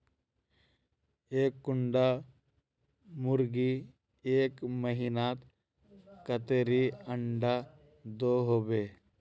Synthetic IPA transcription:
eːkːʊɳɖa | mʊɾɡi | eːkməɦiːnaːt̪ | kət̪eɾiəɳɖa | d̪oɦoːbeː

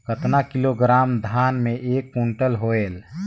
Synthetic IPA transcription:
kət̪nakiloɡɾaːmd̪ʱanmeʔekːuɳʈəlɦoel

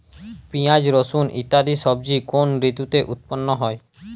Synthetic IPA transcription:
piad͡ʒɾosunʔḭt̪ad̪isɔb̚d͡ʒikonɾit̪jut̪eʔut̪̚pɔnːɔɦɔj

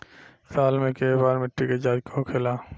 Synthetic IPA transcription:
saːlmẽkebaːɾmɪʈːiked͡ʒaːd͡ʒkʰookʰeːlaː

